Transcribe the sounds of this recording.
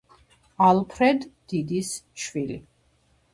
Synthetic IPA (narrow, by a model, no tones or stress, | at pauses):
alˠpʰɾɛd̪ːid̪isʃvilḭ